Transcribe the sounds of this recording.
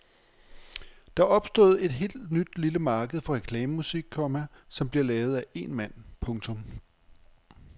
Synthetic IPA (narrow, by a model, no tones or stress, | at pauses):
d̥ɑ̈ʔɒ̽b̥sd̥o̝̰ð̞ˠe̝d̥ɦe̝̰ːld̥nyd̥liləmɑ̈ːɡ̥əð̞̩ˠfɒ̽ʁɛkʰlɛːməmusiɡ̥̚kʰːɒmæsɒ̽mb̥liɐlɛːʊð̞̩ˠæʔe̝nmæn̰pʰɔ̽ŋt͡sʰɔ̽m